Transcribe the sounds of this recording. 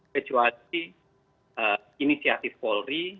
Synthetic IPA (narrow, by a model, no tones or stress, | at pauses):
kət͡ʃual | ə | inisiat̪ifpɔlri